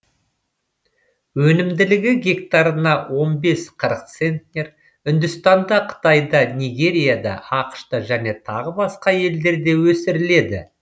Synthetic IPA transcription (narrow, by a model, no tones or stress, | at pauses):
wɵnɪmd̪ɪlɪɡʲɪɡʲe̞k̚t̪ɑɾənɑwo̞nbe̞sqʰəɾəq̚t̪se̞nt̪nʲe̞ɾ | ʏnd̪ʊst̪ɑnd̪ɑqʰə̥t̪ɑjd̪ɑnijɡʲe̞ɾʲijad̪ɑ̰ɑqə̥ʃt̪ɑʒæne̞t̪ʰɑ̰ʁəbɑsqɑje̞ld̪e̞ɾd̪e̞wɵsɪɾɪle̞d̪ɪ̰